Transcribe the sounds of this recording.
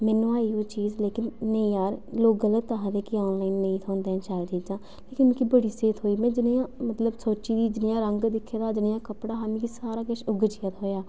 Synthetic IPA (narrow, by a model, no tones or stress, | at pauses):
mɛːnːũːaːiːoːt͡ʃiːzleːkɪnːəĩːaːɾloːkɡələt̪ːaɦad̪eːkiɔːnlaːinːəĩːt̪ʰõːnd̪ẽːnt͡ʃaːd̪iːd͡ʒãː | leːkɪnmɛ̃ːkibəɽiːseːt̪ʰɦoːiːmɛ̃ːd͡ʒɪnijãːmət̪ləbsoːt͡ʃiːd̪iːd͡ʒɪnɪjãːɾəŋɡd̪ɪkʰːeːd̪aːd͡ʒɪnɪjãːkəpɽaːɦaːmĩːkisaːɾaːkɪʃʊɡd͡ʒɪjat̪ɦoːjaː